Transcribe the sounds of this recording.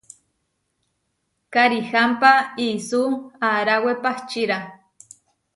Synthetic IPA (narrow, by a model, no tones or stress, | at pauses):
kaɾihampaisuaɾawepaht͡ʃiɾa